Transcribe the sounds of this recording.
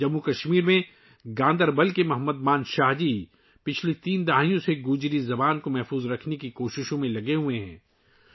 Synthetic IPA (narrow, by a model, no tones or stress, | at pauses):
d͡ʒɐmːukɐʃmiːɾmẽ | ɡãːnd̪əɾbɐlkemɐɦəmːəd̪maːnʃaːɦd͡ʒiː | pɪt͡ʃʰlit̪iːnd̪aɦijõseɡuːd͡ʒɾizɐbaːnkomɛɦfuːzɾɐkʰnekikoːʃɪʃõmẽlɐɡeɦueɦɛ̰̃ː